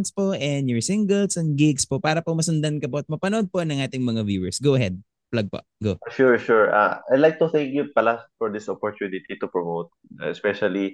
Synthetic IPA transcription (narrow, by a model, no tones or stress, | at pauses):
nspoʔɛnjɔɹsɪŋɡɛlsɛn̚ɡɪɡspoʔpaːɾɐpomɐsɐnd̪ɐnkɐpoʔɐt̪̚mɐpɐnʔod̪̚po̞nɐŋʔaːt̪ɪŋmɐŋavjuːɛɹsɡowʔɐɦɛd̪̚ | plɐɡ̚po̰ʔɡoʃuɹʃuɹa̰ajd̪lajk̚t̪ʊθɛ̃ŋkjupɐlafɔɹd̪ɪsɔpɔɹt̪unɪt̪it̪upɹɔmowt̪̚ːɛspɛʃɐli